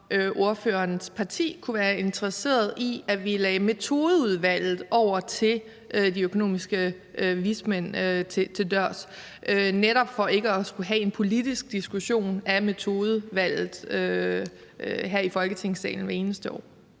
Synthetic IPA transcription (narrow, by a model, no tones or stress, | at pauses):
ʔøʔo̝ɐføːɐnspʰɑ̈t͡sʰḭːkʰuʋæːɐe̝nt͡sʰəʁɐse̝̰ːɐð̞̩ˠiæʋilɛːme̝t͡sʰo̝ːð̞ˠəuð̞ˠʋæl̰ð̩ˠʔɒʊ̰ɐt͡sʰe̝l | ʔd̥iøkʰo̝no̝̰ːmisɡ̥ə | ʋismen̰t͡sʰe̝t͡sʰe̝ld̥ɶɐ̰s | ʔøneɾ̥ɒ̽b̥fɒ̽e̝ɡ̥əɒsɡ̥uɦɛe̝npʰo̝lid̥isɡ̥̚d̥isɡ̥uɕo̝̰ːnæme̝t͡sʰo̝ːð̞ˠəʋæl̰ð̩ˠø | ɦæɐ̰ifɒ̽lɡ̥ət͡sʰe̝ŋ̰sɛ̰ːln̩ʋæe̝ːnəsd̥əɒ̰ː